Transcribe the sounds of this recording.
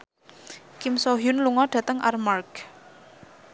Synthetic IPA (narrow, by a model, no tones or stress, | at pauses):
kimsɔɦjʊnluŋɔɖ̥ä̤t̪əŋʔa̰rmark